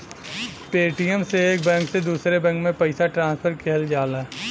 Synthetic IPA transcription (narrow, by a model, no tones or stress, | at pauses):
peːʈijəmseːk̚bɛ̃ːŋksed̪uːsɾebɛ̃ːŋkmẽpɐɪsaʈɾãːspʰəɾkʰeɦəld͡ʒaːla